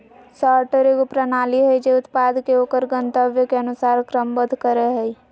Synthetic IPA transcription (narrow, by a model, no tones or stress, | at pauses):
saɾʈəɾekopɾənaliɦəd͡ʒeʊt̪pad̪keokəɾɡə̃nt̪əbjəkeənusaːɾkɾəmbəd̪ʱkəɾeɦəi